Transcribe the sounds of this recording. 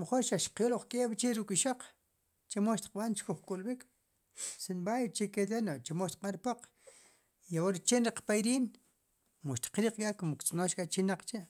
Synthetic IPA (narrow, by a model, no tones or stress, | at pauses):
moχoɾʃaʃqjoloχkʼeːɓt͡ʃeɾukʼiʃoq͡χ | t͡ʃemoʃt̪i̥q̚ɓant͡ʃkuχkʼulɓik | sinɓajt͡ʃeked̪enot͡ʃemoʃt̪i̥qʼɓaɾpoq͡χ | iawoɾt͡ʃenɾiqpajɾiːn | moʃt̪i̥qɾiːq͡χkʼaʔkomokt͡sʼnoʃkʼat͡ʃinaq͡χt͡ʃeʔ